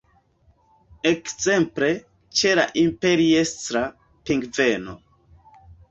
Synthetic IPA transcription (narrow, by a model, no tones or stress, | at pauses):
ekze̞mple̞ | t͡ʃela̰ʔimpe̞ɾiestɾa | piŋɡve̞no̞̰